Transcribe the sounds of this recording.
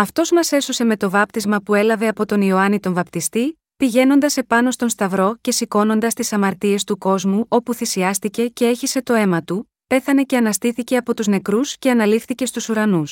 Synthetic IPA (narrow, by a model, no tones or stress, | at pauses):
ɐft̪o̞zmɐse̞so̞se̞me̞t̪o̞vɐp̚t̪izmɐpue̞lɐve̞ɐpo̞t̪o̞nio̞ɐnit̪o̞ɱvɐpt̪ist̪i | piʝe̞no̞nd̪ɐse̞pɐno̞st̪o̞nst̪ɐvɾo̞ce̞siko̞no̞nd̪ɐst̪isɐmɐɾt̪ie̞st̪uko̞zmuʔo̞puθisiɐst̪ice̞ce̞e̞çise̞t̪o̞e̞mɐt̪u | pe̞θɐne̞ce̞ɐnɐst̪iθice̞ɐpo̞t̪uzne̞kɾusce̞ɐnɐlifθice̞st̪usuɾɐnus